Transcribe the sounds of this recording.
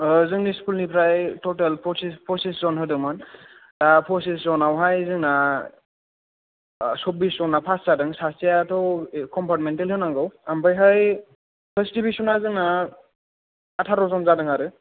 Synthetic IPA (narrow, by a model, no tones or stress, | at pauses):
zɯŋniskulnipʰɾajtɔtelpʰɔsispʰɔsiszɔnɦɯdɯŋmɯn | dapʰɔsis̬zɔnawɦajzɯŋna | sɔp̚biszɔnːapʰaszadɯŋsasijatʰɔwkɔmpʰɔɾmentelhɯnaŋɡɔwambajɦaj | pʰestibisɔnazɯŋna | atʰaɾɔzɔnzadɯŋaɾɯ